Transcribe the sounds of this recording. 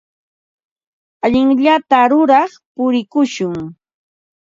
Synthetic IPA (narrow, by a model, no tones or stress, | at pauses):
aʎɪŋʎat̪aɾʊɾɑχpʊɾɪkʊʃʊŋ